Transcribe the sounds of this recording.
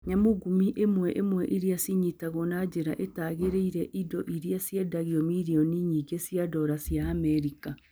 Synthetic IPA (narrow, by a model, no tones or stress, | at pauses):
ɲamoɡumiʔemwɛʔemwɛʔiɾiasiɲitaɣɔnad͡ʑeɾaʔetaːɣeɾeiɾɛʔidɔʔiɾiasjɛdaɣiɔmiɾiɔniɲiːɡesiadɔɾasiaːmɛɾika